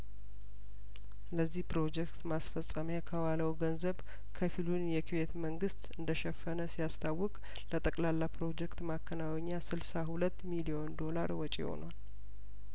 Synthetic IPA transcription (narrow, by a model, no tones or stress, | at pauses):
ləzːihpɾo̞d͡ʒɛkt̪masfəsʼəmjakʰəwaləwɡənzəβ | kʰəfilunjɛkʰiβe̞t̪məŋɡɨst̪ɨnd̪əʃɛfːənəsijast̪ʰawːɔkʼ | lət̪ʼəkʼlalːapɾo̞d͡ʒɛkt̪makʰːənawɛɲːasɨlsahulət̪ːmilijo̞nd̪o̞laɾwɔt͡ʃʼeho̞̰nwal